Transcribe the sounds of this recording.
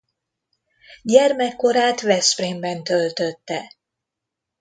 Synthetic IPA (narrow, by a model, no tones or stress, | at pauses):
ɟɛrmɛkːo̞ɾaːt̪vɛspreːmbɛnt̪ølt̪øt̪ːɛ